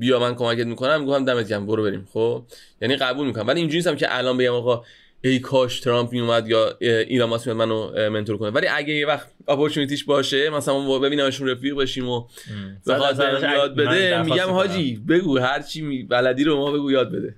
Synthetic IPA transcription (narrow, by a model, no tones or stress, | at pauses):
bijɒːmænkʰo̞mæke̞t̪̚mikʰo̞næmːiɡoft̪æmd̪æmed̪iɟæmboɾobe̞ɾḭːmxobjæniːɣæbuːlmikonæmvæliind͡ʒuɾnist̪æmcʰḛʔælɒːnbe̞ɟæmɒːɣɒː | ejkʰɒːʃt̪ʰeɾɒmpʰmijumæd̪jɒːilɒmɒːsmijɒd̪mænome̞nt̪oɾkʰonevæliʔæɟejevæxt̪ɒpʰoɾt̪ʰunit̪iːʃbɒːʃemæslænmɒbbe̞biːnæmeʃunɾefiːɣbeʃiːmo | bexɒt̪ejɒːd̪̚be̞d̪emiɡɟæmhɒːd͡ʒiːbe̞ɡuːɦæɾt͡ʃʰiːmvælæd̪iːɾobe̞mɒːbe̞ɡuːjɒːd̪̚be̞d̪e̞